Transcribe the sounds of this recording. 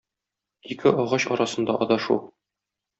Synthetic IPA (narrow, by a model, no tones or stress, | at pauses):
ikʰɘɒʁɑɕɒɾɑsɤ̆nd̪ɑʔɒd̪ɒʃulˠ